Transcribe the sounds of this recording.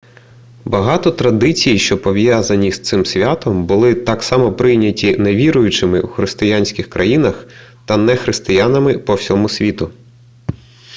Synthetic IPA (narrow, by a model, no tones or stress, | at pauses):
bɐɦɑt̪ɔt̪ɾɐd̪ɪt͡sʲijiʃt͡ʃɔpɔʋjazɐnʲist̪sɪmsʲʋʲat̪ɔmbʊlˠɪt̪ɑksɑmɔpɾɪjnʲɐtʲineʋʲiɾʊjʊt͡ʃɪmɪwuxɾɪst̪ɪjanʲsʲkʲɪxkɾʔɐjinɐxt̪ɐnɛxɾɪst̪ɪjanɐmɪpɔwsʲɔmʊsʲʋʲit̪ʊ